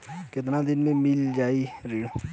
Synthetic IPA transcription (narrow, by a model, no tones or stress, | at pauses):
kɪt̪nãːd̪ɪnmẽmɪld͡ʒaːiɾiːɽ